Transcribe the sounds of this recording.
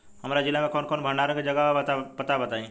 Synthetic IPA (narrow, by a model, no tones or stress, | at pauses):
hɐmɾad͡ʒɪlːamẽkɔːnkɔːnbʱəɳaːɾə̃kid͡ʒɐɡaat̪apɐt̪abɐt̪aːẽː